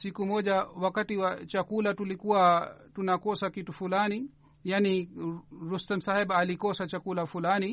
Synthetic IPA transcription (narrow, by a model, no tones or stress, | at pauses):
sikumɔʄawakatiwat͡ʃakulatulikuwatunakɔsakitufulani | jani | ɾustɛm̩sahɛɓːlikɔsat͡ʃakulafulani